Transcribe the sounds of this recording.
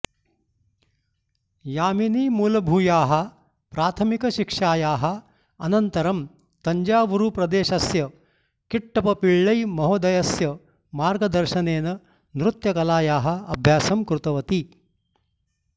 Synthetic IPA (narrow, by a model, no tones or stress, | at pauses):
jaːminiːmuːlɐbʱuːjaːɦɐ̆ | pɾaːt̪ʰɐmikɐʃikʂaːjaːɦɐ̆ | ɐnɐnt̪ɐɾɐm | t̪ɐɲd͡ʒaːʋuɾupɾɐd̪eːʃɐsjɐ | kiʈːɐpɐpiɭːɐjmɐɦod̪ɐjɐsjɐ | maːɾɡɐd̪ɐɾʃɐneːnɐ | nɾut̪jɐkɐlaːjaːɦɐ̆ɐbʱjaːsɐmkɾut̪ɐʋɐt̪i